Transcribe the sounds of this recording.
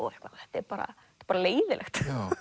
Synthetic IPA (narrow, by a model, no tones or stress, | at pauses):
ɔ̰ɛhkvalhɛht̪ːɛɾpaːɾa̰ɛt̪ːpaɾaleːjðɪlʔɛxt̪